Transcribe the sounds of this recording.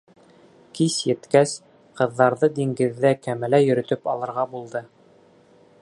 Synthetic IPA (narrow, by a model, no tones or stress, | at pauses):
kisjɘ̆t̪kæs | qɤ̆ðːɑɾðɤd̪iŋɡɘ̆ðːækæmælæjɵ̆ɾɵ̆t̪ɵpɑlˠɤ̆ɾʁɑbulˠd̪ɤ